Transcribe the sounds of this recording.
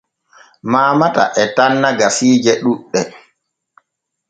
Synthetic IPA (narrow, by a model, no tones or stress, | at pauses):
maːmata̰ʔɛtanːaɡasiːd͡ʒɛɗuɗːɛ